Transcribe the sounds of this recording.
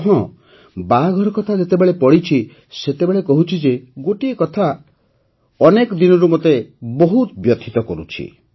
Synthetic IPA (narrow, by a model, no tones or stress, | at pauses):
ɦɔ̃ | baɡʱɔɾɔkɔt̪ʰad͡ʒet̪ebeɭepɔɽit͡ʃʰi | set̪ebeɭekɔɦut͡ʃʰid͡ʒeɡoʈiekɔt̪ʰa | ɔnekɔd̪inɔɾumot̪ebɔɦut̪bjɔt̪ʰit̪ɔkɔɾṵt͡ʃʰḭ